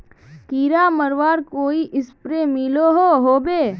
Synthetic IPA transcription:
kiːɾaməɾʋaːɾkoːiʔɪspɾemiloɦoɦoːbeː

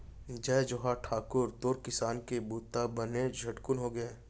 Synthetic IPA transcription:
d͡ʒɛːd͡ʒoɦaʈʰaːkʊɾt̪oːɾkɪsaːnkebuːt̪ːabɐned͡ʒʱɐʈkʊnɦoɡɐeː

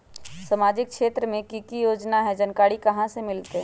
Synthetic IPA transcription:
səmaːd͡ʒɪk̚ʃeːt̪ɾəmẽkikijoːd͡ʒnaɦɛd͡ʒənkaːɽikɐɦãsemɪlt̪eɦɛ̃

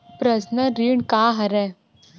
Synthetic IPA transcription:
pɾəsnəɾiːɳkaɦɐɾɛ

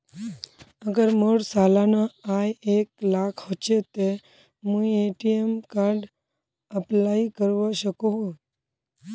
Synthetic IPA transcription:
əɡəɾmoɽsalanaajeklakʰɦot͡ʃet̪e | mũeʈiemkaɾɖ | əplaikəɾʋaʃəkoɦo

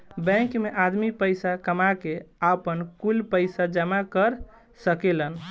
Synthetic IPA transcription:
bɛ̃kmeʔad̪mipəjsakəmakeapənkulpəɪsad͡ʒəmakəɾ | səkelən

